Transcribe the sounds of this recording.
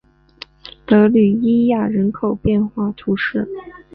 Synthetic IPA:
t̪ɤ˧˥ly˨˩i˥ja˥˩ɻə˧˥nkʰo˨˩ʊpjɛ˥˧nxwa˥˩t̪ʰu˧˥ʂɻ̩˥˩

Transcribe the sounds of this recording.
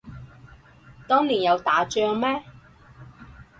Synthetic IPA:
t̪ɔː˥ŋliː˨˩njɐ˨˧wt̪aː˨˥t͡ʃœː˧ŋmɛː˥

